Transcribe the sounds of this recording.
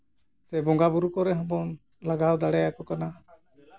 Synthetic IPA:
sɛbɔŋɡabuɾukɔɾɛɦɔ̃bɔn | laɡawd̪aɽɛjakɔkana

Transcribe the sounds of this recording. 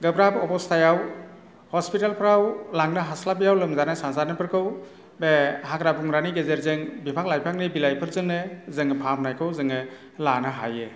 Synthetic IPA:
ɡɯbɾabɔpɔstʰajaw | hɔspitalpʰɾawlaŋnɯɦaslabijawlɯmzanasazanɯpʰɯɾkʰɯw | behakɾabuŋɾaniɡezeɾzɯŋbipʰak̚lajpʰak̚nɯbilajpʰɯɾzɯŋnɯzɯŋɯpʰamnajkʰɯwzɯŋɯ | lanɯɦa̰jɯ

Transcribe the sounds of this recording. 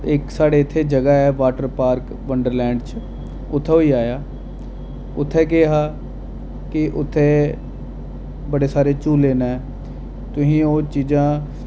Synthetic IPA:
ɪksaːɽeːɪt̪ʰːeːd͡ʒəɡaɛːʋaːʈəɾpaːɾk | ʋəɳɖəɾlɛ̃ːɳɖt͡ʃ | ʊt̪ʰːeoːiːaːjaː | ʊt̪ʰːeːk̬ɪɦaː | kɪʔʊt̪ʰːeː | bəɽeːsaːɾeːt͡ʃuːleːnaɛ | t̪ʊsĩːoːt͡ʃiːd͡ʒãː

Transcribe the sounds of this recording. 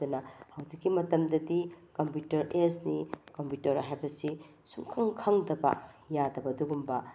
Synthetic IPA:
dɐnɐhɐwd͡ʒikːimɐtɐmdɐdikɐmpjutɐɾesnikɐmputɐɾɦajbɐsi | suŋkʰaŋkʰaŋdɐbɐ̰ | jadɐbɐduɡumbɐ

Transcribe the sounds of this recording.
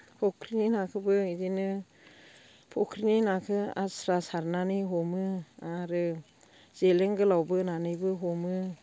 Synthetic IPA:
pʰɔkʰɾininakʰɯbɯizinɯ | pʰɔkʰɾininakʰɯa̰sɾasaɾnanɯjɦɔmɯaɾɯ | z̥eleŋɡɯlawbɯnanɯjbɯɦɔmɯ

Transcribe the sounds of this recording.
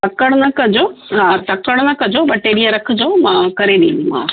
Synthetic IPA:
ɐkəɽ̃nɐkɐd͡ʑoɦãt̪ɐkəɽ̃nɐkɐd͡ʑoɓɐʈeːɗiəɾɐkʰd͡ʑomãːkɐɾeɗiũmã̰

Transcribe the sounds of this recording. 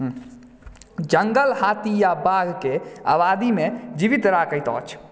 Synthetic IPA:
d͡ʒəŋɡəlhat̪ijabaɡʱkea̰bad̪imed͡ʒiʋit̪ɾakəjt̪ɔ̰ːt͡ʃʰ

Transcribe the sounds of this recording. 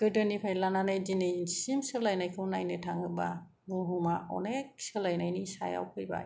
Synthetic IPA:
ɡ̥ɯdɯnipʰajlananɯjdinɯjnsimsɯlajnajkʰɯwnajnɯtʰaŋɯba | ɡuɦumaɔ̰nek̚sɯlajnajnisa̰ja̰wpʰɯjba̰j

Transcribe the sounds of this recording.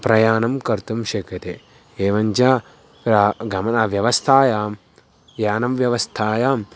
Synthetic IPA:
pɾɐjaːnɐmkɐɾt̪umʃɐkjɐt̪e | eːʋɐɲt͡ʃaː | pɾaɡɐmɐnɐʋjɐʋɐst̪ʰaːjaːm | jaːnɐmʋjɐʋɐst̪ʰaːjaːm

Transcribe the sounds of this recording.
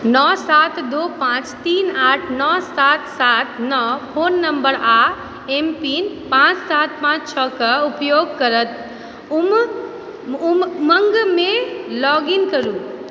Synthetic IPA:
nɔsat̪d̪opãt͡ʃt̪iːnaːʈʰnɔsat̪sat̪nɔpʰoːnːəmbəɾa | empiːnpãt͡ʃsat̪̚pãːt͡ʃt͡ʃʰɔkəupjoɡ̚kəɾət̪ | um | mməŋɡmẽlɔɡiŋkəɾuː

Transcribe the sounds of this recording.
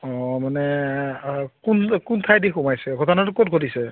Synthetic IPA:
ɔ̃manɛ | kunkuntʰajdixumajsɛɡʱɔtanatʊkot̚ɡʱotisɛ

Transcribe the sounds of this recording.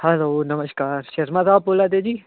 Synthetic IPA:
hɛloːnɐməʃkaːɾʃɐɾmazaːb̚poːlad̪ed͡ʒiː

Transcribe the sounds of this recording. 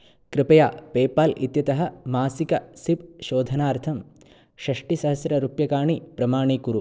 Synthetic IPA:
kɾɪpɐjaːpeːpaːlʔḭt̪jɐt̪ɐɦɐ̆maːsikɐsipʃoːd̪ʱɐnaːɾt̪ʰɐm | ʃɐʂʈisɐɦɐsjɾɐɾupjɐkaːɳipɾɐmaːɳiːkuɾu

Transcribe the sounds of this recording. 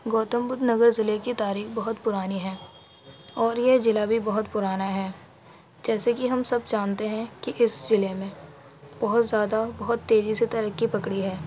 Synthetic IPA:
ɡoːt̪əmbʊd̪nɐɡəɾzɪlekit̪aːɾiːxbɐɦʊt̪pʊɾaːniɦɛː | ɔːɾjed͡ʒɪlabʱibɐɦʊt̪pʊɾaːnaɦɛː | d͡ʒɛːsekiɦɐmsɐbd͡ʒaːnt̪eɦɛ̃kiʔɪsd͡ʒɪlemẽ | b̥ɐɦʊt̪zjaːd̪abɐɦʊt̪ːeːziset̪ɐɾəkːipɐkɽiɦɛː

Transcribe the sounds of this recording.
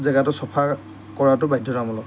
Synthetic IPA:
zɛɡatɔsɔpʰa | kɔɹatʊbaidʱɔnamɔlɔ

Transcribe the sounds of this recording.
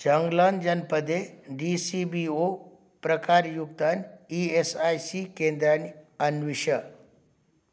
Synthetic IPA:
d͡ʒəŋɡland͡ʒɐnpəd̪eɖisibio | pɾəkaɾjuɡ̚t̪aniesajsikẽnd̪ɾaniɐnʋiʃə

